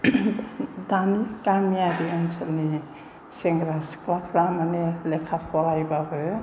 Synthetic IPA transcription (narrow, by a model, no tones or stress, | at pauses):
d̪anikamiadiɔnsʰɔlni | seŋɡɾasklapʰɾamanelekʰːapʰɔlajbabɔj